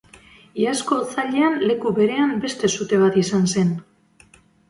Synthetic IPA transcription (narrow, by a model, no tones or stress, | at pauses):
iasko̞t͡saʎe̞anle̞kuβe̞ɾe̞ambe̞st̪e̞sut̪e̞β̞at̪isanse̞n